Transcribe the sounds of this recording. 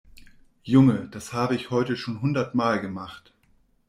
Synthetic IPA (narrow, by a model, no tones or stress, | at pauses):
jʊŋəd̥ashaːbəɪçhɔʏtəʃoːnɦʊndɐtmaːlɡəmaχt